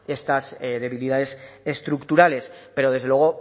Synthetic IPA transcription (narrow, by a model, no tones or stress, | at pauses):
e̞st̪asðe̞β̞iliðaðe̞se̞st̪ɾukt̪uɾale̞spe̞ɾo̞ð̞ezðewe̞ɣ̞o̞